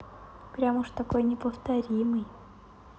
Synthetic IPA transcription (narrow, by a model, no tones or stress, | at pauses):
pɾʲamuʂt̪ɐko̞jnʲɪpəft̪ɐɾʲimɨj